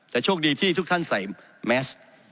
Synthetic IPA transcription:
t̪ɛː˨˩t͡ɕʰoː˥˩k̚diː˧t̪ʰiː˥˩t̪ʰu˦˥k̚t̪ʰa˥˩nsa˨˩˦j | mɛː˦˥s

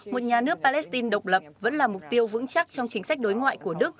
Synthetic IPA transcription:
mo˨˩t̚ɲaː˨˩nɨ˦˥ək̚paː˧lɛ˦˥st̪i˧nɗə˨˩wk͡p̚lə˨˩p̚və̰˧˥nlaː˨˩mʊ˨˩k͡p̚t̪i˧əwvɨ̰˧˥ŋt͡ɕa˦˥k̚t͡ɕɔ˧wŋ͡mt͡ɕï˨˦ŋ̟sa˦˥k̚ɗo˨˦jŋwa̰ː˧˨jku˧˩əɗɨ˦˥ək̚

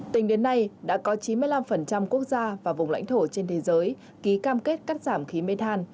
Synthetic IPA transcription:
t̪ï˨˩ŋ̟ɗe˨˦nːa˧jɗa̰ː˧˥kɔ˨˦t͡ɕi˨˦nmɨ˧əjla˧mfə˨˩nt͡ɕa˧mku˦˥ək̚zaː˧vaː˨˩vʊ˨˩ŋ͡mla̰˧˥ŋ̟t̪ʰo˧˩t͡ɕe˧nt̪ʰe˨˦zəː˨˦j | ki˨˦kaː˧mke˦˥t̚ka˦˥k̚z̥aː˧˩mxi˨˦me˧t̪ʰaː˧n

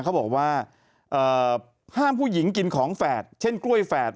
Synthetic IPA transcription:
kʰa˦˥wbɔː˨˩k̚waː˥˩ | ʔɤː˨˩ | haː˥˩mpʰuː˥˩ji˩˦ŋki˧nkʰɔː˩˦ŋfɛː˨˩t̪̚t͡ɕʰe˥˩nklu˥˩əjfɛː˨˩t̪̚

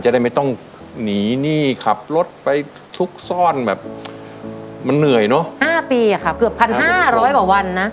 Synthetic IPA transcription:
t͡ɕa˨da˥˩jma˥˩jt̪ɔ˥˩ŋ | niː˩˦niː˥˩kʰa˨˩p̚lo˦˥t̪̚pa˧j | t̪ʰu˦˥k̚sɔː˥˩nbɛː˨˩p̚ | ma˧nːɯ˨˩əjnɔ˦˥haː˥˩piː˧a˨˩kʰa˦˥p̚kɯ˨˩əpʰa˧nɦaː˥˩ɾɔː˦˥jkwaː˨˩wa˧nːa˦˥

